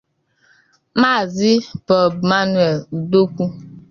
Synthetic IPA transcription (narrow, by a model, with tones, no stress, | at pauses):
ma˦˨zi˦pɔ˨bma˦nwɛ˨lu˨do˦ku˦